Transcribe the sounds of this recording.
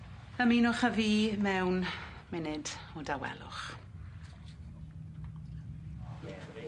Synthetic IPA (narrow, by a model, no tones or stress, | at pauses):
əmiːnʊχəviːmɛwn | mɪnɪd̥ɔdawɛ̰lˠʊ̰χ